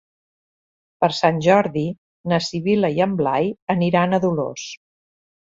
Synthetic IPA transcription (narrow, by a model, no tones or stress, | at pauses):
pəɾsanʲʒɔɾði | nəsiβiləiəmblajəniɾanəðulo̰s